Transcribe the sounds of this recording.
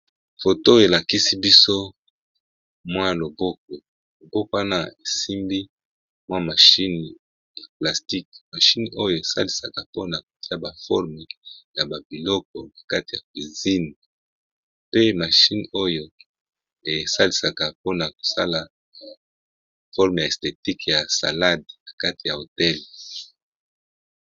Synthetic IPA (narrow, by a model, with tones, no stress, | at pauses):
fo˨to˦e˨la˨ki˦si˦bi˦so˦ | mwa˦˨lo˨bo˦k̚ɔ˨ | lo˨bo˦ka˦na˦e˨si˦mbi˦ | mwa˦ma˨ʃi˦n˨ | ja˨pla˨sti˦k̚ma˨ʃi˦n˨ʔo˦jo˦˨e˨sa̰˦li˨sa˨ka˨po˦na˨k̚o˨ti˦a˦ba˨fɔ˦ʁmɛ˨ja˨ba˨bi˨lɔ˦k̚ɔ˨na˨ka˦ti˨ja˨kwi˨zi˦n | pe˦ma˨ʃi˦n˨o˦jo˦ | e˨sa˦li˨sa˨ka˨po˦na˨ko̥˨sa˦la˨ | fɔ˦ʁm˨ja˨e˨ste˨ti˦kja˨sa̰˨la˦dna˨ka˦ti˨ja˨o˨tɛ˦l